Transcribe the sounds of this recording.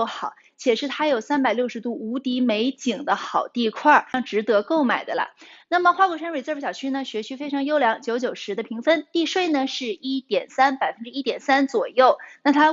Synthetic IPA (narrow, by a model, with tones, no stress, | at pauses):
o˥˩xɑ˨˩˦ʊ | t͡ɕʰjɛ˨˩ʂɻ̩˥˩t̪ʰa˥jo˨˩ʊsa˥npa˨˩ɪljʊʂɻ̩˧˥t̪u˥˩u˧˥t̪i˧˥me˧˥ɪt͡ɕi˨˩ŋd̪ə˦xɑ˨˩ʊt̪i˥˧kʰwa˥˩ɻɑ˥˩ŋʈ͡ʂɻ̩˧˥t̪ɤ˧˥ko˥˩ʊma˨˩ɪd̪ə˦lə̰˧na˥˩mə˩xwa˥kwɔ˧˥˩ʂa˥nwe˧˩ɪt͡sə˥˧˩fɕjɑ˨˩ʊt͡ɕʰy˥nə˨ɕɥɛ˧˥t͡ɕʰy˥fe˥ɪʈ͡ʂʰɤ˧˥ŋjo˥ʊljɑ˧˥ŋt͡ɕjo˧˥ʊt͡ɕjo˨˩ʊʂɻ̩˧˥d̪ə˧pʰi˧˥ŋfə˥nt̪i˥˧ʂwe˥˩ɪnə˩ʂɻ̩˥˩i˥t̪jɛ˨˩nsa˥npa˨˩ɪfə˥nʈ͡ʂɻ̩˥i˥t̪jɛ˨˩nsa˥nt͡swɔ˨˩jo˥˩ʊna˥˩t̪ʰa˥